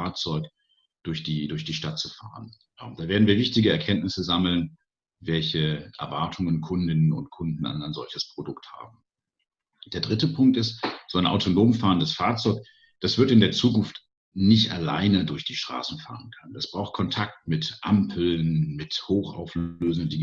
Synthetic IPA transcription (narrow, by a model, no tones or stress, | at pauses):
aɐt͡sɔʏk | d̥ʊɐçd̥iːdʊɐçd̥iːʃtat̚t͡sufa̰ːʁən | ad̥aːveːɐdn̩viːɐvɪçtɪɡəɛɐkʰɛntnɪsəzaml̩n | vɛlçəʔɛ̰ɐvaɐtʰʊŋənkʰʊndɪnənʊ̰ntkʰʊndn̩a̰ɪnaɪnzɔlçəspʁ̥odʊktha̰ːbm̩ | d̥eːɐdʁɪtəpʰʊŋk̚tɪstz̥oaɪnʔa̰ʊtʰonoːmfaːʁəndasfaːɐt͡sɔʏk | d̥asv̥ɪɐtɪndeːɐt͡suːkʊnft | nɪçtʔa̰la̰ɪnədʊɐçd̥iːʃtʁ̥a̰ːsn̩fa̰ːʁənkʰand̥asb̥ʁaʊxt̚kʰɔntʰak̚tmɪtʔampʰl̩nmɪthoːxʔa̰ʊfløːzndəndiɡ